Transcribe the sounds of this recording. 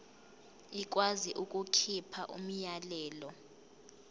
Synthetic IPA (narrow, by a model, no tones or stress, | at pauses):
ik̬ʼwaziʔukʼukʰipʰaʔṵm̩jalɛːlɔ